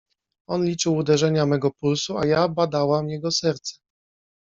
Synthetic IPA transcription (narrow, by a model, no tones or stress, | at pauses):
ɔnlʲit͡ʂɘwud̪ɛʐɛɲamɛɡɔpulsuajabad̪awamjɛɡɔsɛɾt̪sɛ̥